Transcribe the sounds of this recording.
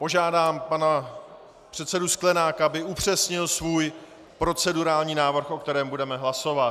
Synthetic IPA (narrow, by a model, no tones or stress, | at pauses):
po̞ʒaːdaːmpana | pr̝̥ɛt̪sɛdusklɛnaːkaabɪupr̝̥ɛsɲɪlsvuːj | pɾo̞t͡sɛduɾaːlɲiːnaːvr̩xʔo̞kt̪ɛɾɛːmbudɛmɛɦlaso̞va